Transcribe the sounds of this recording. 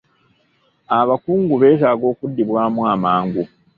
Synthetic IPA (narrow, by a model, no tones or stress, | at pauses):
aβakuːŋɡuβe̞ːtaːɡo̞ːkudːiβwaːmwamaːŋɡu